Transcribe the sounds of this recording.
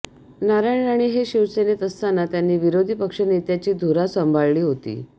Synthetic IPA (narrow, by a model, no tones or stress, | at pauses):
naɾajɳaɽ̃iːɦeɕiʋsenet̪əst̪anat̪janːiːʋiɾod̪ʱiːpəkʂənet̪jat͡ɕiːd̪ʱuɾasəmbʱaɭliːɦot̪ḭː